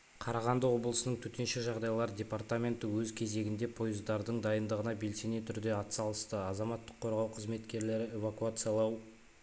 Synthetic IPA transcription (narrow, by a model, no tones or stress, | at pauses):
qʰɑɾɑʁɑnd̪əwo̞blˠəsənəɴt̪ʰɵt̪e̞nʃeʒɑʁd̪ɑjlˠɑɾdʲe̞part̪amʲe̞nt̪əwɵzkʲʰe̞ze̞ɡʲɪnd̪e̞pʰo̞jəzd̪ɑɾd̪əɴd̪ɑjənd̪əʁənɑbelse̞net̪ʰʏɾd̪e̞ɑt̪sɑlˠəst̪əɑzɑmɑt̪ːəqʰːo̞ɾʁɑwqʰəzme̞t̪kʲe̞ɾle̞ɾɪe̞vakuat̪sɨjalˠɑw